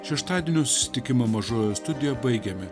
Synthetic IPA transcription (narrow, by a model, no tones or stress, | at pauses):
ʃʲɛʃt̪ɑːd̪ʲiɛːnʲoːsʊ̥sʲɪ̥t̪ʲɪkʲɪmɐmɐʒoːjoːst̪ʊd̪ʲɪjɛbɐɪɡʲɛmʲɪ